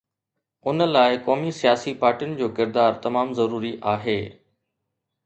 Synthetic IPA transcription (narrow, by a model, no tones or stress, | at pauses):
ʊnə̆laːɪkɔːmisijaːsipaːɾʈijʊnɪ̆d͡ʑoːkɪɾd̪aːɾt̪ɐmaːmzɐɾuːɾiʔaːɦeː